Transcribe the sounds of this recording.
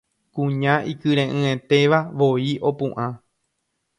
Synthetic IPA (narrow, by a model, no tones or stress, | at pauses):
kũɲãʔikɨɾẽʔɨ̃e̞t̪e̞ʋaʋoiʔo̞pṵ̃ʔã